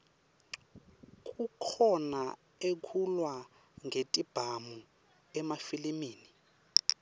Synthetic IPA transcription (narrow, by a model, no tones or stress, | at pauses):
kʼukʰɔna | ekʰulwa | ŋʱetʼib̥ʱamu | ɛmafilimiːni